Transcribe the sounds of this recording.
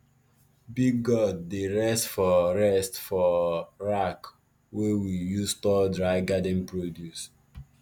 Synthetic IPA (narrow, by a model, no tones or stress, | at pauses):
biɡɔd̚ːeɹɛstfɔɹɛstfɔɹak | wewijustɔdɹaɪɡadɛ̃npɹodjus